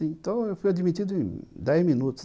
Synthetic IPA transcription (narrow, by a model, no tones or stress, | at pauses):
ĩt̪ɐ̃w̃ewfujad͡ʒimit̪id̪ʊẽj̃d̪ɛjzmĩnut̪ʊ